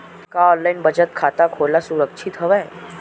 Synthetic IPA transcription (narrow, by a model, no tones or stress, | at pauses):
kaɔnlainbəd͡ʑət̪̚kʰat̪akʰolasuɾəkʂʰit̪ɦəʋɛj